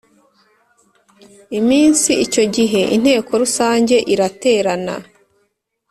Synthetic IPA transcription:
imiːnsiico̞ɟiɦe̞ʔin̥he̞ːko̞ɾusaːɲɟe̞ʔiɾate̞ːɾana̰

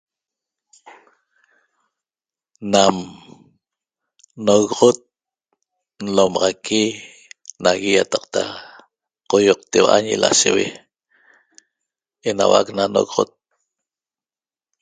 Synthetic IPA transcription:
nam | noɣʁot̪̚ | n̩lomɑʁɑkʰi | naɣijat̪ɑqt̪a̰ | qojoq̚t̪ewaʔa̰ɲila̰ʃewe | ena̰waknanoɣʁot̪̚

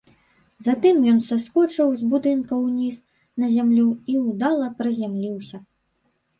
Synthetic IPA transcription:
zat̪ɨmjɔnsaskɔt͡ʂɨwzbud̪ɨnkɐwnʲiz | nɐzʲamlʲuiwd̪alˠɐpɾɐzʲamlʲiwsʲɐ

